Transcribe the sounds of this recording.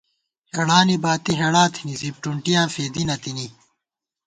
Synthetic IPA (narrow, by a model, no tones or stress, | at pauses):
heɽaːnibaːt̪iɦeɽaːt̪ʰinizip̚ʈuɳʈijãːfeːd̪inɐt̪ini